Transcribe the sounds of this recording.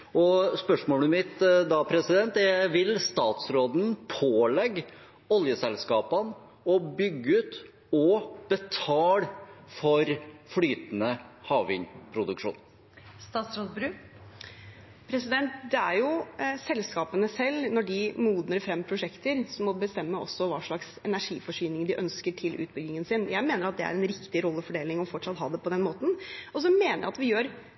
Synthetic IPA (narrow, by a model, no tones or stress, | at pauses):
ɔspœʂmoːləmɪt̪d̪ɑpʰɾɛsɪd̪ɛnt̪ɛʋɪlst̪ɑːt̪sɾoːd̪n̩pʰoːlɛɡ | ɔljəsɛlskɑːpən | ɔbʏɡːəʉːt̪ | ɔb̥ət̪ʰɑːlfɔɾflyːt̪nəhɑːʋɪɲpʰɾʊd̪ʉkʂṵːn | st̪ɑːt̪sɾoːd̪bɾʉː | pʰɾɛsɪd̪ɛnt̪d̪ɛæɾjʊsɛlskɑːpənəsɛlːnɔɖɪmuːd̪nəɾfɾɛmːpʰɾʊʂɛkt̪əɾsɔmːɔbəst̪ɛmːəɔ̰sːɔʋɑːʂɭɑksɛnæʂiːfɔʂyːnɪŋɖɪʔœnskəʈʰɪlʔʉ̰ːt̪̚bʏɡnɪŋənsɪnjæɪmeːnəɾɑt̪̚d̪ɛæ̰ɾɛnɾɪkt̪ɪɾɔlːəfɔɖeːlɪŋɔfɔʈʂɑt̪ɦɑ̰ːd̪ɛpʰɔd̪ɛnmoːt̪n̩ɔs̬ɔmeːnəɾj̰ɑt̪ʋɪjøːɾ